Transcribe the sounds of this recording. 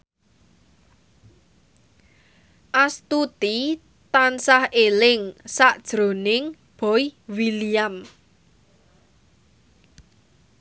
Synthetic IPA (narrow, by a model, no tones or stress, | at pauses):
ʔast̪ut̪i | t̪ansahelɪŋsaʔd̥ʒ̥ɾo̤nɪŋ | b̥ɔjwiliam